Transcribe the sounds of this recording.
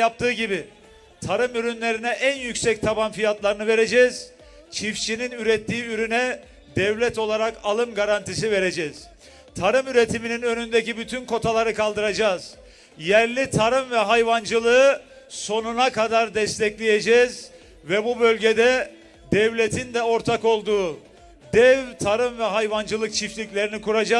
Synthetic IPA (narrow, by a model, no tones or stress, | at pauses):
ap̚t̪ʰɯːɟibi | t̪ʰaɾɯmyɾynlʲe̞ɾinɛʔænjycsɛc̚t̪ʰabanfijat̪lˠaɾɯnɯve̞ɾe̞d͡ʒɛz̥ | t͡ʃʰift͡ʃininyɾɛt̪ʰːiːyɾynɛ | d̪ɛvlʲɛt̪o̞lˠaɾakalˠɯmɡaɾant̪is̬ive̞ɾe̞d͡ʒɛz̥ | t̪ʰaɾɯmyɾet̪ʰimininø̞nynd̪ecibyt̪ʰynko̞t̪ʰalˠaɾɯkalˠd̪ɯɾad͡ʒaːz̥ | jæɾlʲit̪ʰaɾɯmvɛɦajvand͡ʒɯlˠɯɯ | so̞nunakad̪aɾd̪ɛst̪ʰɛclʲejed͡ʒɛz | vɛbubø̞lʲɟed̪ɛ | d̪ɛvlʲet̪ʰind̪ɛo̞ɾt̪ʰako̞lˠd̪uː | d̪ɛvt̪ʰaɾɯmvɛɦajvand͡ʒɯlˠɯk̚t͡ʃʰiflʲicʲlʲe̞ɾinikuɾad͡ʒa